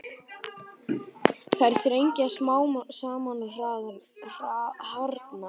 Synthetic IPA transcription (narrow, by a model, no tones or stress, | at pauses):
θajɾ̥θɾejɲcasmaːwmsaːmanʏr̥aːðʏmr̥ahaɾt̪na